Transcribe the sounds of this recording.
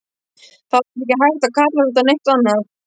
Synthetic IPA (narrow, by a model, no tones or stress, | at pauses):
θaɛcɪɦajɾt̪akʰat̪lalʏt̪anejht̪anːaɾ